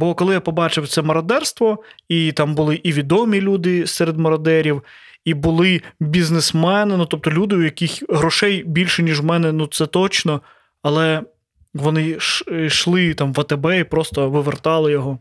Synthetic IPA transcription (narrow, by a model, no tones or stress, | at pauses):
bɔkɔlˠɪjapɔbɑt͡ʃɪwt̪sɛmɔɾɐd̪ɛrst̪ʋɔit̪ɑmbʊlˠɪʔiʋʲid̪ɔmʲilʲud̪ɪsɛɾed̪mɔɾɐd̪ɛɾʲiw | ibʊlˠɪbʲiznɪsmɛnɪnut̪ɔp̚t̪ɔlʲud̪ɪʊjɐkɪxɦɾɔʃɛjbʲilʲʃɛnʲiʒwmɛnɛnut̪sɛt̪ɔt͡ʃnɔ | ɐlˠɛ | ʋɔnɪʃʃlˠɪt̪ɑmʋɐt̪ebɛipɾɔst̪ɔʋɪʋert̪ɑlˠɪjɔɦɔ